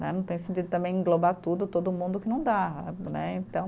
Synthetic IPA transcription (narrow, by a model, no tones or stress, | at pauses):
nɛ̰nɐ̃w̃t̪ẽj̃sẽnt̪id̪ʊt̪ɐ̃mbẽj̃ĩɡlobat̪ud̪ʊt̪od̪ʊmũnd̪ʊkɪnɐ̃w̃d̪anɛ̰ẽt̪ɐ̃w̃